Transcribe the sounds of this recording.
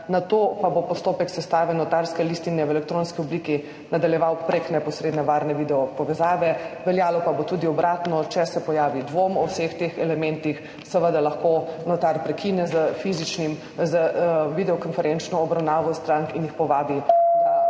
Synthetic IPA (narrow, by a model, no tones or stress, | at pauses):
nat̪oːpabopɔst̪oːpɛksɛst̪aːʋɛnɔt̪aɾskɛlist̪inɛwɛlɛkt̪ɾoːnskiɔbliki | nad̪aljɛʋawpɾeknɛpɔsɾeːd̪nɛʋaːɾnɛʋid̪ɛɔpɔʋɛzaːʋɛʋɛljaːlɔpabot̪ud̪iɔbɾʔaːt̪nɔt͡ʃɛsɛpɔjaːʋid̪ʋomɔwsext̪eːxɛlɛmɛnt̪ix | səʋəd̪alɐxkonɔt̪aɾpɾɛkʰinɛzəfizit͡ʃnim | zəʋid̪ɛɔkɔnfɛɾɛnt͡ʃnɔːbɾawnaːʋɔst̪ɾaŋkinjixpɔʋaːbi